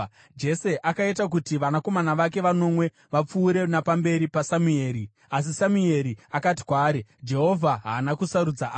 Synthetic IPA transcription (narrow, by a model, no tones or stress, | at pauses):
d͡ʒe̞se̞ʔakaitak̬utiʋanako̞manaʋak̬e̞ʋano̞mwe̞ | ʋap͡fuːɾe̞napambe̞ɾipasamueːɾi | as̬isamue̞ɾiakati̥kwaːɾed͡ʒe̞ɦo̞vʱaɦaːnakusaɾud͡za